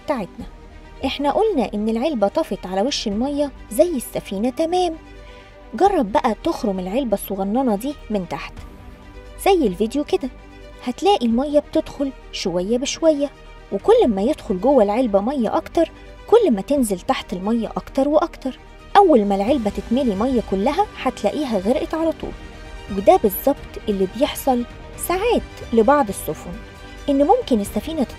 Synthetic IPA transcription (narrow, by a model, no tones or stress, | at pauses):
t̪aʕed̪næ | ʔeħnæʔolnæʔenːelʕelbæt̪ˤɑfet̪ˤʕalæweʃhelmɑjːɑzæjːesːæfiːnæt̪æmæːm | ɡɑrˤːɑb̚ːæʔæt̪oxɾomelʕelbæsˤːoɣɑnːɑnɑd̪iːment̪aħt̪ | z̥æjːelvid̪joked̪æ | hæt̪læːʔilmæjːæb̚t̪ed̪xol | ʃowæjːæbeʃowæjːæ | wekolːmæjed̪̥xolɡowːælʕelbæmæjːæ̰ʔɑkt̪ɑɾˤ | kolːmæt̪enzelt̪aħt̪elmæjːæ̰ʔɑkt̪ɑɾˤweʔɑkt̪ɑɾˤ | ʔæwːælmælʕelbæt̪et̪melimæjːækolːæɦæħæt̪læʔiːɦæɣeɾʔæt̪ʕalæt̪ˤṵːl | wed̪æbezˤːɑbt̪ˤʔelːibjeħsˤɑl | saʕaːt̪lebɑʕd̪ˤesːofun | ʔenːmomkenesːæfiːnæ